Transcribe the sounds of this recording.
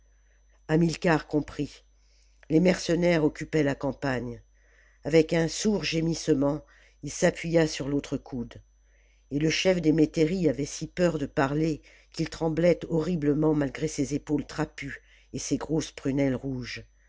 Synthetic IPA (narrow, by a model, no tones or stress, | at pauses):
amilkaʁkɔ̃pχi | lemɛʁsənɛʁɔkʲypɛlakɑ̃paɲ | avɛkɛ̃suʁʒemisəmɑ̃ | ilsapɥijasyʁlot̪χəkʰud̪ | eləʃɛfd̪emet̪eʁiavɛsipœʁd̪əpaʁle | kʲilt̪χɑ̃blɛt̪ɔʁibləmɑ̃malɡʁesezepolt̪χapy | eseɡʁospχynɛlʁuʒ